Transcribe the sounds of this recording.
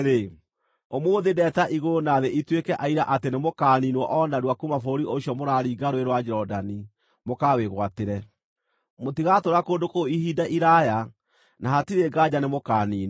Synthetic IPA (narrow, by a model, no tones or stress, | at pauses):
ɾe | omwoːðedɛtaʔiɣonaðeʔitwekɛʔaiɾaʔatenemokaːninwɔʔɔnaɾwakumafooɾioɕijɔmoɾaɾiːɡaɾoeɾwad͡ʒɛɾɔdani | mokaweɣwateɾɛ | motiɣatoɾakoːndokoihidaʔiɾaja | nahatiɾeɡad͡ʑanemokaːniːn